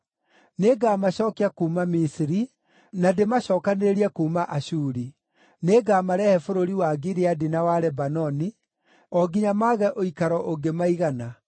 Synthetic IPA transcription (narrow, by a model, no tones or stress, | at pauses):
neɡaːmaɕɔːkeakuːmamisiɾi | nademaɕɔːkaneɾeɾiɛkuːmaʔaɕuːɾi | neɡaːmaɾɛhɛfoɾoɾiwaːɡiɾeadinawaɾɛbanɔni | ɔɡiɲamaːɣɛʔoikaɾɔʔoɡemaiɣana